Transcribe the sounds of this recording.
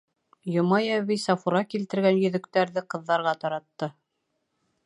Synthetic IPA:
jŏmɑjæβisɑfuɾɑkilt̪ɘ̆ɾɡænjɵ̆ðɵ̆kt̪æɾðɘqɤ̆ðːɑɾʁɑt̪ɑɾɑt̪ːɤ

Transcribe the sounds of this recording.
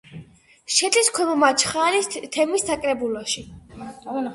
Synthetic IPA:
ʃɛd̪ʼiskʰɔmɔmat͡ʃʰχaɾist̪ʰɛmisːakʼɾɛbulɔʃi

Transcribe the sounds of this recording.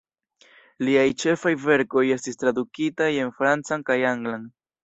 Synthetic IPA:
liajt͡ʃe̞fajve̞ɾko̞je̞stistɾadukitaje̞nfɾant͡sankajaŋɡlan

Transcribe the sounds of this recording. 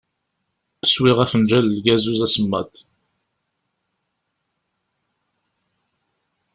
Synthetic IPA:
swiʁæfənd͡ʒæləlɡæzuzæsəmːæ̰t̪

